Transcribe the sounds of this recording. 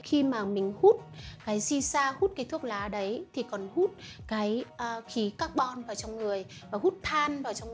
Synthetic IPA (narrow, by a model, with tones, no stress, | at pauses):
xi˧maː˨˩mï˨˩ŋ̟hu˦˥t̚kaː˨˦jsi˧saː˧hu˦˥t̚kaː˨˦jt̪ʰu˦˥ək̚laː˨˦ɗə˨˦jt̪ʰi˨˩kɔ˨˩nhu˦˥t̚kaː˨˦jxi˨˦kaː˦˥k̚ɓɔ˧nvaː˨˩wt͡ɕɔ˧wŋ͡mŋɨ˨˩əjvaː˨˩hu˦˥t̚t̪ʰaː˧nvaː˨˩wt͡ɕɔ˧wŋ͡m